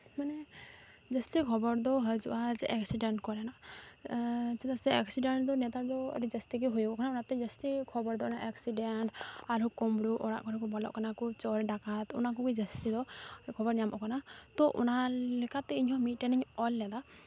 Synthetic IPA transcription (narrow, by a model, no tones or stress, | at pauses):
manɛ | d͡ʒəst̪ikʰɔbɔɾd̪ɔɦəd͡ʒṵʔazɛʔɛksiɖeɳʈkɔɾɛna | sɛt̪asɛɛksiɖeɳʈd̪ɔnɛt̪ad̪ɔə̰ɾid͡ʒəst̪ikiɦojɔkʔkʰanaunat̪ɛd͡ʒəst̪ikʰɔbɔɾd̪ɔnaʔɛksiɖenʈaɾɔkɔmɽuʔɔɽa̰ʔkɔɾakɔbɔlɔ̰ʔkanakut͡ʃɔɾɛɖakat̪ṵnak̬ukid͡ʒəst̪id̪ɔkʰɔbɔɾnijamɔkʰɔnat̪ɔʔṵnalɛkat̪ːɛiɲɔmit̚ʈɛniɲɔlːɛd̪a